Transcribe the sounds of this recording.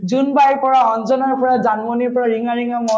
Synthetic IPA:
zunbajɹpɔɹaɔnzɔnaɹpɔɹazanbɔnipɔɹaɹiŋaɹiŋamɔ

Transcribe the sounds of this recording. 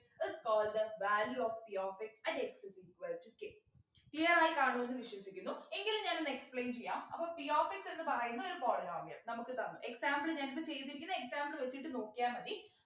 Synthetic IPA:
ɪskɔːlɖd̪ɐʋaːljuofbijoːfiksɐ̃nɖeksɐsikʋɐltukːe | t̪ijɐraːjikaːɳuenːɨʋiɕʋɐɕikʲːunːue̞ŋɡilumɲaːnenːɨekspɭejnt͡ɕe̞jːa̰ːmɐpːoːbijoːfiksenːɨpɐrɐjunːɐoɾupoːrɾaːmijɐ̰ɭnɐmukːɨt̪ɐnːṵʔe̞ksaːmbɭɨɲanpːet͡ɕe̞jt̪ːiɾikʲːiunːɨe̞ksaːmbɭɨʋe̞t͡ɕːiʈːɨno̞ːkːijaːnʋɐni

